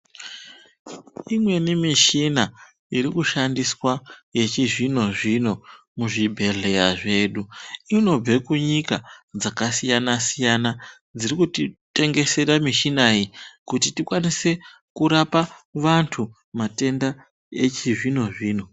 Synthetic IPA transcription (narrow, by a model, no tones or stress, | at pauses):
imwe̞nimiʃina | iɾikuʃandiswaje̞t͡ʃiʐino̞ʐino̞ | muʐibʱe̞ɮe̞jaʐe̞ɗuino̞b͡ve̞kuɲikad͡zakasijanasijana | d͡zirikutite̞ŋɡe̞se̞ɾamiʃinajikutitikwanise̞ | kuɾapaʋantʰu | mate̞nda | et͡ʃiʐino̞ʐiːno̞